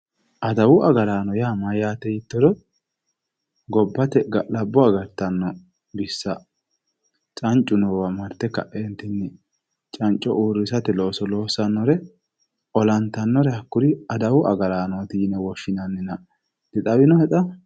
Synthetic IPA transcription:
ʔɐd̪ɐwʊʔɐɡɐɾaːnɔjaːmajaːt̪ːɛjɪt̪ːɔd̪ɔ | ɡɔbːɐt̪ɛɡɐlɐbːɔɐɡɐɾt̪ːɐnːɔ | bɪsːɐ | t͡ʃʼɐnt͡ʃʼːʊnɔwɐmɐɾt̪ːɛkːɐ̰ʔent̪ːɪnːɪ | t͡ʃʼɐnt͡ʃʼːɔʔuːɾːɪsɐt̪ɛlo̞ːsɔlo̞ːsɐnːɔɾɛ | ɔlɐnt̪ːɐnːɔɾɛhɐkːʊd̪ɪɐd̪ɐwʊʔɐ̰ɡɐɾaːnɔt̪iːnɛwɔʃːɪnɐnːɪnɐ | d̪ɪt̪ʼɐwɪnɔhɛt̪ɐ

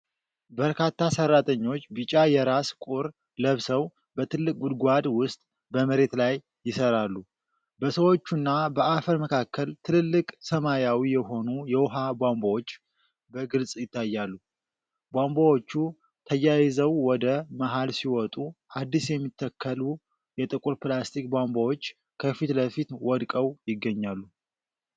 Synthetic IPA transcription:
bəɾkʰat̪ʰːasərːat̪ʰʼəɲːo̞t͡ʃːbɨt͡ʃʼajɛɾaskʼuɾ | ləβsəw | bət̪ʰɨlːɨkʼɡud̪ɡʷad̪wʊst̪ʼ | bəməɾe̞t̪lajːɪsəɾalːu | bəsəwo̞t͡ʃːunːabəafəɾməkʰakːəlt̪ʰɨlɨlːɨkʼsəmajawijɛɦo̞nujɛwɔɦabʷambowot͡ʃː | bəɡɨlsʼjɪt̪ʰːajːalːu | bʷambawo̞t͡ʃːu | t̪ʰəjːajɪzəwwɔd̪əmaɦalsiwɔt̪ʼuad̪ːisjɛmːit̪ʰːəkʰːəlu | jɛt̪ʼɨkʼuɾplast̪ʰik̚bʷambawo̞t͡ʃː | kʰəfit̪ləfit̪wɔd̪kʼəwjɪɡːəɲːalːu

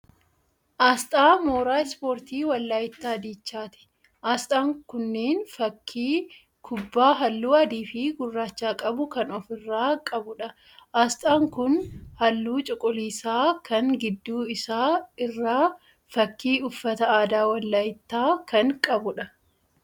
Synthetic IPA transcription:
ʔaːst̪ʼaːmoːɾaːspoːɾt̪iːwɐlːaːjɪt̪ːaːɐd̪iːt͡ʃːaːt̪ɪ̥ | ʔaːst̪ʼaːŋkʊnːeːnfɐkʰːiː | kʰʊbːaːɦɐlːuːɐd̪iːfiːɡʊrːaːt͡ʃːaːkʼɐbʊkɐnɔfɪrːaːkʼɐbʊᶑɐ | ʔaːst̪ʼaːŋkʊnhɐlːuːt͡ʃʼɪkʼʊliːsaːkɐŋɡɪd̪ːuːɪsaːɪrːaː | fɐkːiːʊfːɐt̪ɐaːd̪aːwɐlːaːjɪt̪ːaːkɐŋkʼɐbʊᶑɐ

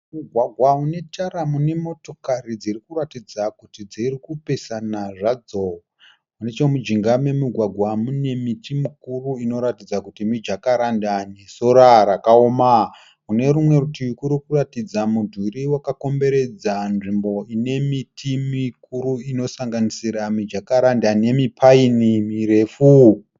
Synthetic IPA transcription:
muɡʱwaɡʱwaune̞tʰaɾamune̞mo̞to̞kaɾid͡zirikuratid͡zakutid͡zirikupe̞sanaʐad͡zo | unet͡ʃemud͡ʒiŋɡame̞miɡʱwaɡʱwamune̞mitimikuruino̞ɾatid͡zakutimid͡ʒakaɾandane̞so̞ɾaɾakaoma | kune̞ɾumwe̞utikuɾikuratid͡zamudʱwiɾiwakako̞mbe̞ɾe̞d͡zanʐimbo̞ine̞mitʰimikuɾuino̞saŋɡanisiɾamid͡ʒakaɾandane̞mipʰainimiɾe̞fu

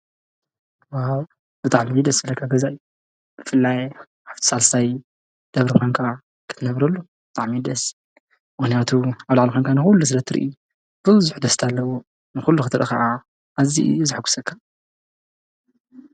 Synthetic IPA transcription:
waw | b̥ɨt̪ʼaʕmid̪ɐsfɐlːɐkʰːaɡɐzaʔju | b̥ɨfɨlːaj | ʔaft̪ʰi̥salsaj | d̪̥ɐβɾixoŋkʰa | kʰɨ̥t̪ʰɨnɐβɾɐlːubɨt̪ʼaʕmid̪ɐs | mɨxnijat̪ʰuaβlaʕlixʷonkʰanɨxulːus̬ɨlɐt̪ʰːɨɾɨ̰ʔḭu | b̥ɨβzuħd̪ɐst̪ʰalːɐwu | nɨxulːuxɨt̪ʰɨɾʔɨ̰kaʔa | ʔːzḭzɨħɡu̥sɐkʰːḁ

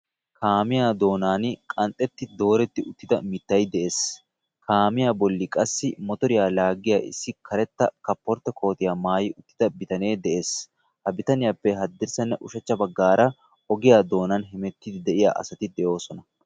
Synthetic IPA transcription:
kaːmɪjaːd̪o̞ːnaːnkʼɐnt̪ʼːɛt̪ːɪd̪o̞ːɾɛt̪ːɪʊt̪ːɪd̪ɐmɪt̪ːɐjd̪ɛʔe̞ːs | kaːmɪjaːbɔlːɪkʼɐsːɪmɔt̪ɔɾɪjaːlaːɡɪjaːʔɪ̰sːɪkʰɐɾɛt̪ːɐ̰kɐpːɔɾt̪ːɐkʰo̞ːt̪ɪjaːmaːjɪʔʊt̪ːɪ̥d̪ɐbɪt̪ɐne̞ːd̪ɛʔe̞ːs | hɐbɪt̪ɐnɪjapːɛɦɐd̪ːɪɾsɐnːɐʔʊʃɛt͡ʃːɐbɐɡːaːɾɐ | ɔɡɪjaːd̪o̞ːnɐnɦɛmɛt̪ːɪd̪ɪd̪ɛʔɪja̰ːʔɐ̰sɐt̪ɪd̪ɛjo̞ːsɔnɐ

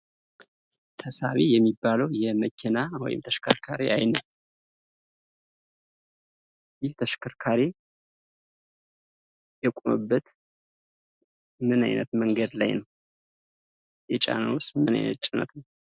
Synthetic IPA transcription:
t̪ʰəsa̰βijɛmːibːaləwjɛməkʰːɛnawɔ̰jɪ̰mt̪ʰəʃkʰəɾkʰaɾeʔajnət̪ | jɪht̪ʰəʃkʰəɾkʰaɾe | jɛkʼumə̰bːət̪ | mɨna̰jnət̪məŋɡəd̪la̰jnəw | jɛt͡ʃʼa̰nəwʊst̪mɨna̰jnə̰t̪̚t͡ʃʼɪnə̰t̪nəw

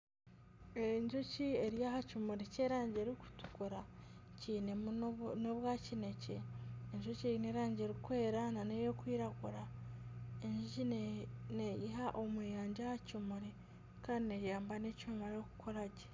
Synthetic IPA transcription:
eɲd͡ʒocieɾijahacumuɾeceːɾaːɲɟeɾiku̥tu̥kuɾaciːne̞mnoβwaːcineceːɲʒocejineɾaːɲɟe̞ɾikwe̞ːɾananejo̞kwiːɾaɡuɾa | eɲʒinejiɦaʔomweːjaːɲɟahacumuɾe | kaːndinejaːmbanecomaɾoku̥kʰoɾaɟe̥

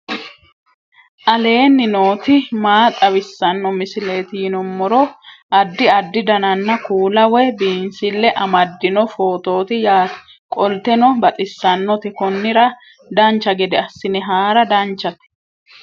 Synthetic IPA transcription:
ʔɐle̞ːnːɪno̞ːt̪ɪmaːt̪ʼɐβɪsːɐnːɔmɪsɪle̞ːt̪ɪɪnɔmːɔɾɔʔɐd̪ːɪɐd̪ːɪd̪ɐnɐnːɐkuːlɐwɛbiːnsɪlːɛʔɐmɐd̪ːɪnɔfo̞ːt̪o̞ːt̪ɪjaː | kʼɔlt̪ɛnɔbɐt̪ʼɪsːɐnːɔt̪ɛkɔnːɪɾɐ | d̪ɐnt͡ʃːɐɡɛd̪ɛɐsːɪnɛɦaːɾɐd̪ɐnt͡ʃːɐt̪

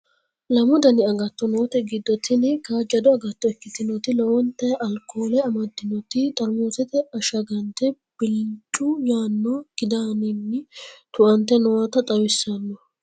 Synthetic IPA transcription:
lɐmɔd̪ɐnɪɐɡɐt̪ːɔnoːt̪ɛɡɪd̪ːɔt̪ɪnɪkad͡ʒɐd̪ɔɐɡɐt̪ːɔɛkːɪt̪ɪnɔt̪ɪlɔwɔnt̪ːɛʔɐlkːoːlɛɐmɐd̪ɪnɔt̪ɪt̪ʼɐɾmoːsɛt̪ɛɐʃɐɡɐnt̪ɛ | b̥ɪlt͡ʃʼʊjaːnːɔɡ̥ɪd̪aːnɪnːɪt̪ʊʔɐnt̪ːɛnɔwɐt̪ɐt̪ʼɐwɪsːɐnːɔ

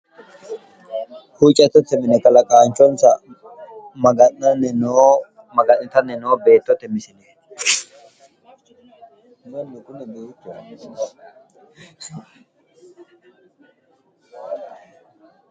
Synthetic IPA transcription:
hut͡ʃʼɐt̪ːɔt̪ɛmɪnɛkʼɐlɐkʼaːnt͡ʃɔnsɐ | mɐɡɐnɐnɛnoː | mɐɡɐnɪt̪ɐnɛnoːbeːt̪ːɔt̪ɛmɪsɪnɛ | nonːɪkʼʊnɛbeːt̪ːʊɐ

